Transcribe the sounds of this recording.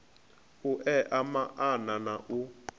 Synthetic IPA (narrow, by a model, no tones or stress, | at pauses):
uʔɛʔamaʔananaʔu